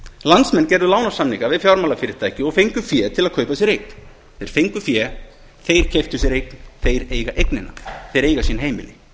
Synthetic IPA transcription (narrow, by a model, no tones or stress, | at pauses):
lant̪smɛnːcɛɾðʏlaːwnḁsamlikavɪðfjawɾmalafɪːɾɪ̥ɾ̥t̪ʰaːjcɪɔɣfejŋkʏfjɛːt̪ʰɪlaðkʰœːɥpasɛɾejkn | θejɾ̥fejŋkʏfjɛː | θejɾ̥cʰeft̪ʏsɛɾejknθejɾeːjɣaʔejknɪnːa̰θejɾeːjɣasiːnɦejmɪ̰nːɪ